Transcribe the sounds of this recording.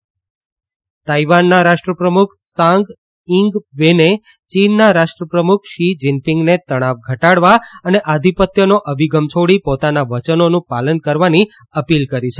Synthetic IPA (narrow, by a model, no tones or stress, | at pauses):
t̪aiʋanːaɾaʃʈɾəpɾəmukʰsãŋɡ | ɪŋɡʋene | t͡ʃinːaɾaʃʈɾəpɾəmukʰʃid͡ʒɪnpiŋɡnet̪əɽ̃aʋɡʱəʈaɽʋaəneʔad̪ʱipət̪jənoʔəbʱiɡəmt͡ʃʰoɽipot̪anaʋət͡ʃənonũpalənkəɾʋani | əpilkəɾit͡ʃʰe